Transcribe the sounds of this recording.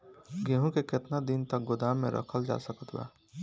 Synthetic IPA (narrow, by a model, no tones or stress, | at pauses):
ɡeɦũkekɪt̪nad̪int̪ək̚ɡʊd̪aːmːḛ̃ɾʔə̰kʰəld͡ʒa̰ːsəkət̪ba̰ː